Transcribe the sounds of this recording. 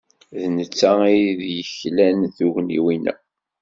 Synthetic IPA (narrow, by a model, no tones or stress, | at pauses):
ðnət͡sːæiðjəçlænθuʝnḭwinæ̰